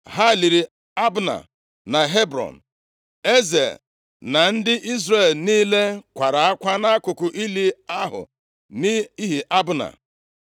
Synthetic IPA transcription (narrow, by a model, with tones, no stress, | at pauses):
ɦa˦˨li˨ɾi˨ | a˦bʊ˨na̰˨ | na˨ɦe˦bɾɔ̰˨n̩˨ | e˦zḛ˨ | na˨n̩˦dɪ˦ʔi˦zre˦˨lniː˦le˦kʷa˨ɾa˨a˦kʷa˦na˦kʊ˨kʊ˨ʔi˦li˦a˦ɦʊ̰˨ | ni˦i˦ɦi˨ʔa˦bʊ˦na̰˨